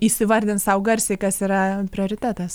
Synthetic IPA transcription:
isʲɪʋɐrʲd̪ʲɪnt̪sɐʊɡɐɾʲsʲeːkɐsiːɾɐpʲɾʲɪoːɾʲɪt̪ʲæːt̪ɐs

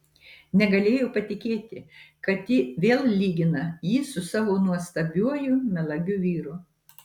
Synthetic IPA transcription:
nʲɛɡɐlʲeːjoːpɐt̪ʲɪkʲeːt̪ʲɪkɐt̪jɪʋʲeːlˠlʲiːɡʲɪnɐjiːsʊsɑːʋoːnuɔst̪ɐbʲuɔjʊmʲɛlˠɐɡʲuːʋʲiːɾu

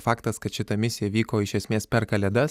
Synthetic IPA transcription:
fɑːkt̪ɐskɐt̪ʃʲɪt̪ɐmʲɪsʲɪjɛʋʲiːkoːɪʃʲɛsʲmʲeːspʲɛɾkɐlʲɛd̪ɐs

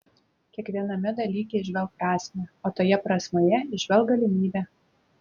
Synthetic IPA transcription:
kʲiɛkʋʲiɛnɐmʲɪd̪ɐlʲiːkʲɛɪʒʲʋʲɛlˠk̚pɾɑːsʲmʲɛːoːt̪oːjɛpɾɑsʲmʲoːjɛɪʒʲʋʲɛlˠkɡɐlʲɪmʲiːbʲɛː

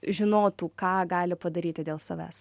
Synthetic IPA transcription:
ʒʲɪnoːt̪uːkɑːɡɑːlʲɪpɐd̪ɐɾʲiːt̪ʲɪd̪ʲeːlˠsɐʋʲæ̰ːs

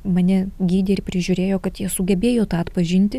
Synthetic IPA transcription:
mɐnʲɛɡʲiːd̪ʲeɪɾʲpʲɾʲɪʒʲʊːɾʲeːjoːkɐt̪jiɛsʊɡʲɛbʲeːjoːt̪ɑːt̪pɐʒʲɪnʲt̪ʲɪ

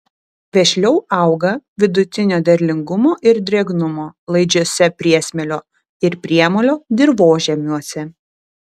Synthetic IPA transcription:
ʋʲɛʃʲlʲɛʊɐˑʊɡɐʋʲɪd̪ʊt̪ʲɪnʲoːd̪ʲɐɾʲlʲɪŋɡʊmoːʔɪɾd̪ʲɾʲɛɡnʊmoːlˠɐɪd͡ʒʲoːsʲɛpʲɾʲiɛsʲmʲɛlʲoː | ɪɾpʲɾʲiɛmolʲoːd̪ʲɪɾʋoːʒʲɛmʲuɔsʲɛ

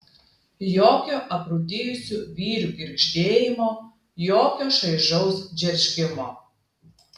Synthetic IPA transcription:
joːkʲoːʔɐpɾud̪ʲeːjʊsʲuʋʲiːɾʲuɡʲɪɾʲkʃʲd̪ʲeːjɪmoː | joːkʲoːʃɐɪʒɐʊsd͡ʒʲɛɾʲʃʲkʲɪmoː

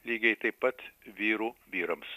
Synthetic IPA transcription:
lʲiːɡʲɛɪt̪ɐɪppɐt̪ʋʲiːɾuːʋʲiːɾɐms

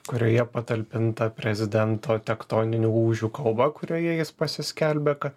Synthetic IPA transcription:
kʊɾʲoːjɛpɐt̪ɐlʲpʲɪnt̪ɐpʲɾʲɛzʲɪd̪ʲɛnt̪oːt̪ʲɛkt̪oːnʲɪnʲuːuːʒʲuːkɐlˠbɐkʊɾʲoːjɛjɪspɐsʲɪsʲkʲɛlʲbʲɛkɐ

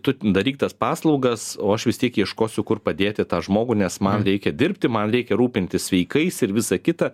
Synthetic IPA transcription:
t̪ʊd̪ɐɾʲiːk̚t̪ɐspɑːslˠɒʊɡɐsoːɐʃʋʲɪst̪ʲiɛkjiɛʃkoːsʲʊkʊrpɐd̪ʲeːt̪ʲɪt̪ɑːʒmoːɡʊnʲɛsmɐnɾʲɛɪkʲɛd̪ʲɪrʲpʲt̪ʲɪmɐnɾʲɛɪkʲɛɾuːpʲɪnʲt̪ʲɪssʲʋʲɛɪkɐɪsɪɾʋʲɪsɑkʲɪt̪ɐ

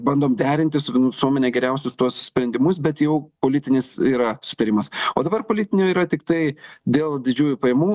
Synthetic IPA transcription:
bɐnd̪oːmd̪ʲæːɾʲɪnʲt̪ʲɪsʊnʋʲɪsuɔmʲɛnʲɛɡʲɛɾʲɛʊsʲʊst̪uɔssʲpʲɾʲɛnd̪ʲɪmʊs̬bʲɛt̪jɛʊpoːlʲɪt̪ʲɪnʲɪsiːɾɐsʊt̪ɐɾʲɪmɐsoːd̪ɐbɐrpoːlʲɪt̪ʲɪnʲɛiːɾɐt̪ʲɪkt̪ɐɪd̪ʲeːlˠd̪ʲɪd͡ʒʲuːjupɐjɛmuː

